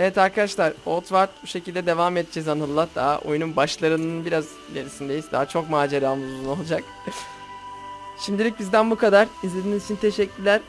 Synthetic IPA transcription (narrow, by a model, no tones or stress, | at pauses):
evɛt̪ʰaɾkʰad̪aʃlˠaɾolˠt̪ʰvaɾt̪̚buʃe̞cilʲd̪ɛd̪e̞vamɛt̪̚d͡ʒɛzanɯlˠːat̪̚d̪aʔo̰jununbaʃlˠaɾɯnɯɯnbiɾaz | ilʲeɾisind̪e̞jizd̪a̰ːat͡ʃʰo̞kmaːd͡ʒeɾaːmuzzuno̞lˠud͡ʒak | ʃimd̪ilʲic̚bizd̪ænbukʰad̪aɾizlʲe̞d̪iːnizit͡ʃʰint̪ʰe̞ʃɛcːyɾlʲæɾ